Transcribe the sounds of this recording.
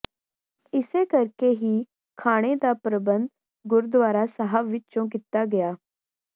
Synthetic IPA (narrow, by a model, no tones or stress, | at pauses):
ɪsekəɾkeɦiː | kʰaːɽ̃ed̪aːpɾəbə̃nd̪ | ɡʊɾd̪ʋaːɾaːsəɦəʋʋɪt͡ʃõk̬it̪aɡɐjaː